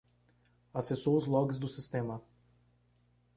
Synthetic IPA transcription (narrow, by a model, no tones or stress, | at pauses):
asesoʊzlɔɡizd̪ʊsist̪emɐ